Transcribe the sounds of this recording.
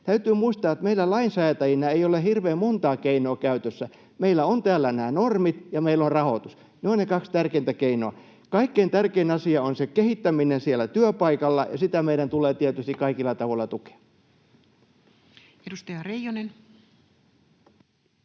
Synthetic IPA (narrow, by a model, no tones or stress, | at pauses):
t̪æyt̪yːmuist̪ɑːet̪meilːˑælɑinsɑet̪ɑjinɑeiolehirʋeːmmont̪ɑːkeinoːkæyt̪øsːæ | meilæont̪æːlːænæːnormit̪jɑmeilonrɑhot̪us | neonnekɑkst̪ærkeint̪ækeinoɑ | kɑikːeint̪ærkeinɑsiɑonsekehit̪ːæminensiælːˑæt̪yøpɑikɑlːɑjɑsit̪æmeidɾænt̪uleːt̪iɛt̪yst̪ikkɑikilːɑt̪ɑʋoĭlːɑt̪uke̥ɑ | edust̪ɑjɑrejonen